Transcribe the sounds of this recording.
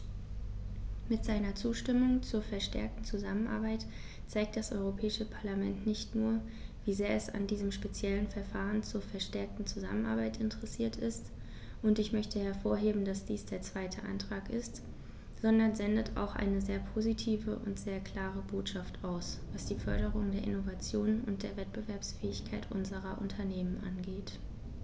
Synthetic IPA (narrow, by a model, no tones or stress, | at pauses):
mɪtz̥aɪnɐt͡suːʃtɪmʊŋt͡suːɐfɛɐʃtɛ̰ɐk̚tn̩t͡suzamənʔa̰ɐbaɪt | t͡saɪk̚t̚d̥asʔɔ̰ʏʁopʰɛːɪʃəpʰaɐlamɛntnɪçtnuːɐ | viːzeːɐɛsa̰ndiːzəmʃpet͡sjɛlənfɛɐfaːʁənt͡suːɐfɛɐʃtɛɐk̚tn̩t͡suza̰mənʔa̰ɐbaɪtɪntʰəʁɛsiːɐtʰɪst | ʔʊntɪçmœçtʰəhɛɐfoːɐɦeːbm̩d̥asd̥iːsd̥eːɐt͡sv̥aɪtʰəʔa̰ntʁ̥aːkɪ̰st | z̥ɔndɐnzɛndətʰa̰ʊxʔa̰ɪnəzeːɐpʰozitʰiːvəʔʊ̰ntz̥eːɐkʰl̥aːʁ̞əboːtʃaftaʊsvasd̥iːfœɐɾəʁ̞ʊŋdeːɐʔɪnovat͡sjoːnʊ̰nt̚d̥eːɐvɛt̚b̥əvɛɐpsfɛːɪçkʰaɪtʔʊ̰nzəʁɐʔʊ̰ntʰɐneːmənʔa̰nɡeːt